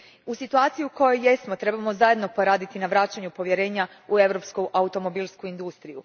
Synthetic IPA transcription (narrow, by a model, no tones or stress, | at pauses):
usit̪uaːt̪sijiuko̞jo̞je̞smo̞t̪ɾe̞bamo̞zajed̪no̞po̞ɾaːd̪it̪inaʋɾat͡ʃaɲupo̞ʋjeɾe̞ːɲa | ue̞ʋɾo̞pskuʔaut̪o̞mo̞biːlˠskuind̪ust̪ɾiju